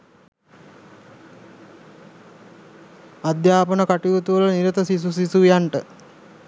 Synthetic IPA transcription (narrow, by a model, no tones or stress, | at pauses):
ad̪jaːpənəkaʈiʋot̪uʋəlniɾət̪əsis̬usisujaɳʈə